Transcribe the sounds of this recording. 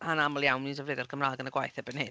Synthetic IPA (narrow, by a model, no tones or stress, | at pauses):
hanamɔlˠjawmnidəvlɨdɔrkʰəmraːɡənəɡwajθɛbəne